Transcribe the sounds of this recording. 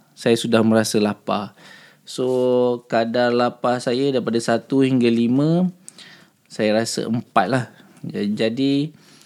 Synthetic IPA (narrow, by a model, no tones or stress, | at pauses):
sajasudahmə̃ɾasəlapa | sokadarlapasajədaɾipadasat̪uhiŋɡalimə̃ | sajaɾasə̰ʔəmpat̪̚lah | d͡ʒad͡ʒadi